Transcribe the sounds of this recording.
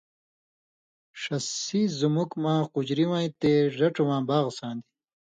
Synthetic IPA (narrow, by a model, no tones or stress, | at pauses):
ʂɐsizumukmãːqud͡ʑɾiwãːĩt̪eʐɐʈ͡ʂuwãːbaːɣsãːnd̪i